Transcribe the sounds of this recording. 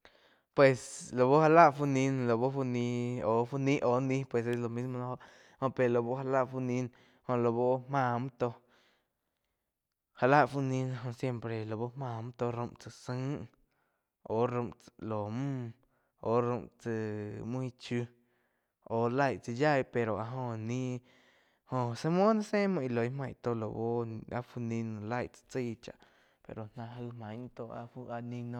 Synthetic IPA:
pwe˨slo˨bo˦ha˧la˦ʔfu˧ni˧nlo˨bo˦fu˧nĩ˧o˨fu˦nĩ˦ʔo˨nĩ˦pwe˨se˦slo˨mi˦smo˧n˧˦ho˦ʔ | ho˦pe˨lo˨bo˦ha˧la˦ʔfu˧ni˧n | ho˧lo˨βo˦mã˧˨mt̪o˧ | ha˧la˦ʔfu˦nĩ˧n˧ɦo˧sje˦mpɾe˨lo˨bo˦mã˧mt̪o˧ɾu˧mt͡sɨ˧sɨ˦ŋ˦ | o˨ɾũ˧˨mlo˨mũ˦ | o˧˨ɾũ˧mʔt͡sɨ˧mũ˦i˧t͡ʃu˧ | o˨la˦˧˨jt͡sɨ˧ja˦˨jpe˨ɾo˨a˧ɦõ˧nĩ˦ | hõ˧se˧mõ˦nã˦sẽ˦mũ˧i˧lo˨i˦mã˧˨t̪o˧˨lo˨bo˦˧a̰˦fu˧nĩ˧nõ˧˨la˦˧˨jt͡sɨ̥˧t͡si˦˧t͡ʃa̰˨ʔ | pḛ˨ɾo˨nã˧ɦɨ˧mã˨˧t̪o˧ʔa̰˧fu˧a˧nĩ˧nõ˧

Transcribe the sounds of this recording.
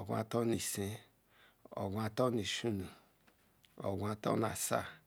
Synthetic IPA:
o˨ɡʷa̰˦˨to˦ni˨se˦ | o̰˨ɡʷa˨to˦ni˨ʃu˦nu˨ | o̰˨ɡʷa˨to̰˦na˨sa̰˦˨

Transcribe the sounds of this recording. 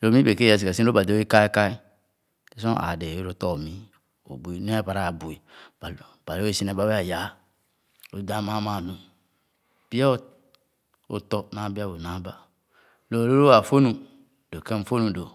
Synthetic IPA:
lo˨mĩ˦be˨ke˦a˨s̬i˨ka˨si˦o˦ba˨do˨˦i˦ka˦e˦ka˦i˦ | e˨˦sõ˦a̰˨de˨˦ɾo˦tɔ˦˨mĩ˦ | o̰˨bu˨i˦nũ˦a˦pa˨ɾa˦˨bu˨i˨ba˨ | b̥a˨le˦e˦˨si˦nɛ˨ba˦we˦a˨ja˨˦˨ | ɾo˨˦da˦ma˦mã˨nu˨ | b̥i˦a˦ | o̰˨tɔ˨nã˨˦bi˦a˦bo˨nã˦ba˦ | lo˨ɾo˦ɾo˦a˨fo˦nũ˨ | do˨ke˦fo˦nũ˨do˨

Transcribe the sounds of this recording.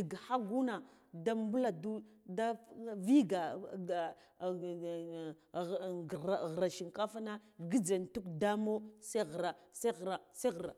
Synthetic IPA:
di˨ɡha˦ɡu˦na˨da˦m˦bu˦la˨du˦da˦vi˦ɡa˨ | a˨ɣɾa˨ʃi˨ŋka˦fa˦na˦ɡi˦d͡za˨n˨tu˦kda˦mo˦sa˦˨ɣɾa˨sa˦ɣɾa˨sa˦ɣɾa̰˨

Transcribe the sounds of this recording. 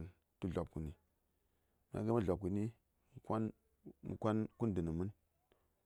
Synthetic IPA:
n | tu˦ɮo˨p̚ku˨ni˨ | m˨a̰˨ɡa˦mə˦ɮo˨b̚ku˨ni˦ | m˨kʷa˦n | mṵ˨kʷa˦nku˦ndɨ˨nə˨mɨ˦n

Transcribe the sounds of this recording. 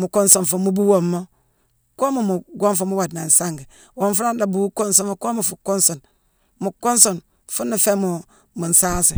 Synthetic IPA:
mu˨ko˦nso˨n˨fu˨mu˦bu˦wo˨mːo˦ | ko˦mo˨mu˨ɡo˦nfu˦mu˦wa˨dna˨n̩˨sa˦ŋɡi˨ | wo˦nfu˦ɾa˦n˦da˨bu˦ko˦nso˦mo˦ko˦mu˨fu˨ko˦nso˨n | mu˨ko˦nso˨n | fu˦nːi˨fe˦mu˨ | mu˨n̩˨sa˦sḭ˨

